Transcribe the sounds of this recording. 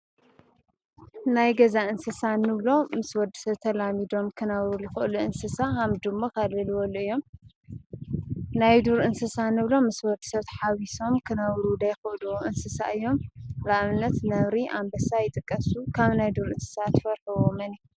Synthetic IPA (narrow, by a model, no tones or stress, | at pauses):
najɡɐzaʔɨnsɨsanːɨβlo̞mɨswɔd̪ːi̥sɐβt̪ʰɐlamid̪o̞mkʰɨnawɾujɪxɨluɨnsɨsahamd̪ɨmːokʰalːɨlɨwɐluɨjːo̞m | najd̪uɾʔɨnsɨsanɨβlo̞mɨswɔd̪i̥sɐβt̪ʰħawiso̞mkʰɨnawɾud̪ɐjxɨʔluwʔɨnsɨsa̰ʔɨjːo̞mɾaʔβnːɐt̪nɐβɾiʔambɐsajɪt̪ʼɨkʼːɐsukʰaβnajd̪uɾɨnsɨ̥sat̪ːfɐɾħɨwomɐni